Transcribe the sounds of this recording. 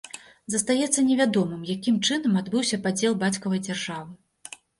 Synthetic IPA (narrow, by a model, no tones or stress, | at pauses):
zɐst̪ajɛt̪sːɐnʲɛvʲad̪ɔmɨmjakʲimt͡ʂɨnɐmad̪bɨwsʲɐpad͡zʲeɛlˠbat͡sʲkɐvɐjd͡zʲarʐavɨ